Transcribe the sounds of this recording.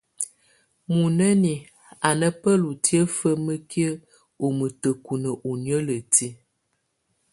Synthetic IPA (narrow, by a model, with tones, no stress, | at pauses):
mu˨nə˦ni˨ | a˨nə˦pə˦lu˨ti˦ə˦fə˦mə˦ki˦ə˦ | o˨mə˨tə˨ku˨nə˨ʔu˨njə˦lə˨ti˦